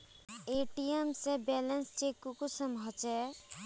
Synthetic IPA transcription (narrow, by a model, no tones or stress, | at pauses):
eːʈiemsebɛːlənst͡ʃeːkːukusəmʱɔt͡ʃɛ